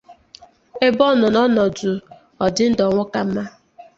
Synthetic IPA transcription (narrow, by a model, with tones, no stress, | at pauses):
e˦bɔ˦˨nɔ˨nɔ˦nɔ˨du˨ | ɔ˨dɪ˦n̩˦dɔ˨ŋʷʊ˦ka˦m̩˦ma˦